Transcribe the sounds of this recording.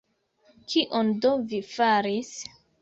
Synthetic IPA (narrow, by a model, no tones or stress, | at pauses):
kʰiʔondovifaɾis